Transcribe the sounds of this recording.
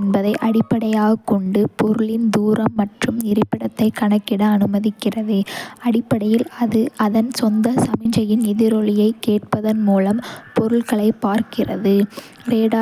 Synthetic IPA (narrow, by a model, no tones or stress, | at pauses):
nbɐðɐɪʔɐɽɪpːɐɽɐjaːɣɐkːɔɳɖɯpɔɾɯɭɪnd̪uːɾɐmːɐʈrɯmnɪɾɪpːɪɽɐt̪ːɐɪkːɐɳɐkːɪɽɐːnɯmɐðɪkːɪrɐðɯɐɽɪpːɐɽɐjɪlɐðɯɐðɐnsɔnd̪ɐsɐmɪɲd͡ʒɐjɪnɪðɪɾɔɭɪjɐɪkːeːʈ̚pɐðɐnmuːlɐmpɔɾɯɭɣɐɭɐɪpːaːɾkɪrɐðɯ | ɾeːɽaː